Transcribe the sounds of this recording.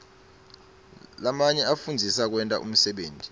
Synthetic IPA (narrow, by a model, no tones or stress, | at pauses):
lamaɲɛafund͡zʱisak̬wɛntʼa̰ʔṵm̩sɛɓeːntʼi̥